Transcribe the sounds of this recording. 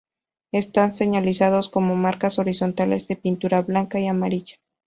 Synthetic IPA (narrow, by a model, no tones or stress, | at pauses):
e̞st̪anse̞ɲalisaðo̞sko̞mo̞maɾkaso̞ɾiso̞nt̪ale̞zðe̞pint̪uɾaβlaŋkaiamaɾiʝḁ